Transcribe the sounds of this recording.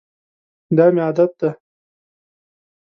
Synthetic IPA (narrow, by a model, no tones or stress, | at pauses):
d̪ɑːmeɑːd̪at̪̚d̪a